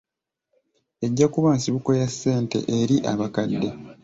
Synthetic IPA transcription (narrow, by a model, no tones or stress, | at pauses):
e̞ɟːakuβaːnsiβuko̞jasːe̞ːnte̞̰ʔeɾiʔaβakadːe̞